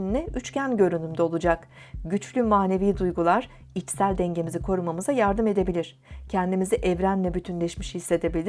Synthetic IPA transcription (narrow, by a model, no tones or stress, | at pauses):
nlʲɛʔyt͡ʃcænɟø̞ɾynymd̪ɛo̞lˠud͡ʒak | ɟyt͡ʃlʲymaːne̞viːd̪ujɡulˠaɾ̥ | it͡ʃsælʲd̪ɛɲɟe̞mizikʰo̞ɾumamɯzajaɾd̪ɯme̞d̪e̞bilʲiɾ̥ | cʰɛnd̪imiziʔɛvɾænlʲɛbyt̪ʰynlʲɛʃmiʃhisːe̞d̪e̞bilʲi̥